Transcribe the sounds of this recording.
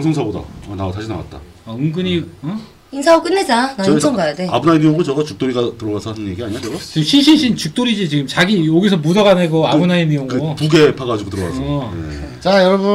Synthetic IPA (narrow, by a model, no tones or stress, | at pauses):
ŋs̬ʰʌŋsʰaboda̰anaataɕʰina̰wa̰t̚t͈a̰ | aɯŋɡɯɲiʌ | insʰaok͈ɯnːed͡ʑanaʌɡajodea̰bunainijoŋɡot͡ɕʌɡat͡ɕu̥k̚t͈oɾiɡatɯɾʌɡasʰʌɦanɯnje̞ɡiaɲiɲat͡ɕʌɡat͡ɕiɕʰiɭɕʰinɕʰint͡ɕuk̚t͈oɾid͡ʑit͡ɕiɡɯmt͡ɕaɡijoɡis̬ʰʌmudaɡaneɡoabɯnainɯjoŋɡopuɡe̞pʰaɡad͡ʑiɡotɯɾʌɡa̰sʰʌḛ | t͡ɕajʌɾʌbu